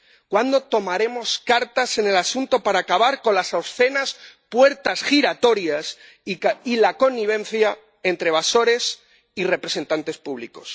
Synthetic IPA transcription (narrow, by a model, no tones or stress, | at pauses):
kwand̪o̞t̪o̞maɾe̞mo̞skaɾt̪ase̞ne̞lasunt̪o̞paɾaːkaβaɾko̞nlasawsθe̞naspwe̞ɾt̪asxiɾat̪o̞ɾjas | ilako̞nːiβ̞ẽ̞n̟θja | e̞nt̪ɾe̞β̞aso̞ɾe̞s | ire̞pɾe̞se̞nt̪ant̪e̞spuβ̞liko̞̰s